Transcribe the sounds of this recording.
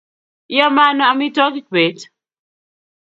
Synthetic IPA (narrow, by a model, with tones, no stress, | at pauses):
jɔ˦ma˦nɔ˨a˨mi˦tɔ˦ki˦kwe˨˦t